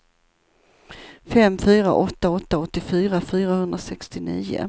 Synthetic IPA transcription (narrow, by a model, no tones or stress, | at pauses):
fɛmːfyːɾa̰ʔɔt̪ːaɔt̪ːaɔt̪ːɪfyːɾafyːɾahɵnd̪ɾasɛkst̪ɪnḭːʊ̰